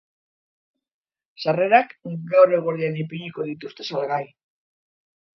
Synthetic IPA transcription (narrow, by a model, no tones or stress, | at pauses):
sare̞ɾakɡawɾeɣoɾianipiʎiko̞ðit̪ust̪e̞salɣaj